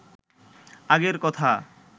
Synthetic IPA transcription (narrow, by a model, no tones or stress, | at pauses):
aɡeɾkɔt̪ʰa